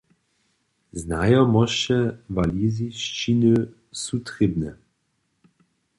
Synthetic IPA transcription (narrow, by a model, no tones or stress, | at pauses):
znajɔmɔʃɛvaliziʃt͡ʃinø | sut̪ʁibnɛ